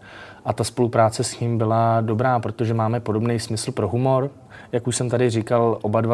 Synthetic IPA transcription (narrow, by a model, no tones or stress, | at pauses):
ʔat̪aspo̞lupɾaːt͡sɛsɲiːmbɪlado̞bɾaːpɾo̞t̪oʒɛmaːmɛpo̞do̞bnejsmɪsl̩pɾo̞ɦumo̞ɾ | jakuʃsɛmt̪adɪrikalʔo̞badva